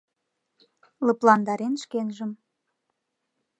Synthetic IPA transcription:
lɤ̆plɑnd̪ɑɾenʃkenʒəm

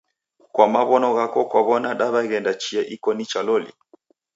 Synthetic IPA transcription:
kwamaβɔnɔɣakɔkwaβɔnaɗaβaɣɛndat͡ʃiɛʔikɔnit͡ʃalɔlḭ

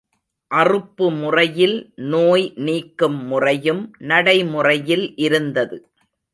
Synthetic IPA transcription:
ʔɐrɯpːɯmʊrɐjɪlnoːjniːkːɯmːʊrɐjɯmnɐɽɐɪmʊrɐjɪlʔɪɾɯnd̪ɐðɯ

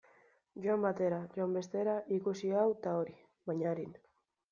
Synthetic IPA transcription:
ɟoambat̪e̞ɾaʝoambe̞st̪e̞ɾaʔikusiawt̪aoɾi | βaɲaɾin

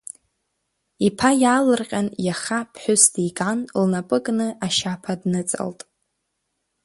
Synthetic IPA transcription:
ipʰajaːlɨrqʲʼanjaχapʰħʷᶣʊstikʼanlnapʼɨkʼnɨaʃapʰadnɨt͡sʼa̰ltʼ

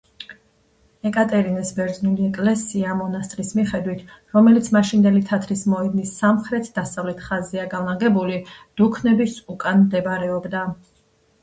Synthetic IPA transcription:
ɛkʼat̪ʼɛɾinɛsbɛɾd̪znuliɛkʼlɛsiamɔnast̪ʼɾismiχɛd̪wit̪ʰɾɔmɛlit̪sʰmaʃind̪ɛlit̪ʰat̪ʰɾismɔid̪nisːamχɾɛt̪ʰd̪asavlɛt̪ʰχazɛaɡalaɡɛbulid̪̥ukʰnɛbisukʼanmd̪ɛbɾɛɔbd̪a

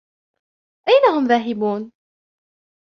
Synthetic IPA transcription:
ʔajnaɦʊmðaːɦɪbuːn

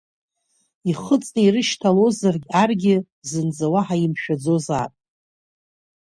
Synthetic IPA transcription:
iχət͡sʼnɨirɨʃtʰalo̞zarɡʲarɡʲɪ | zɨnd͡zawaħaimʃᶣad͡zozatʼ

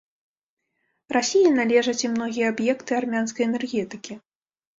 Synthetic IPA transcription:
rasʲijinalʲɛʐɐt͡sʲimnɔɣʲijɛabjɛkt̪ɨarmʲanskɐjɛnɛrɣʲɛt̪ɨkʲi

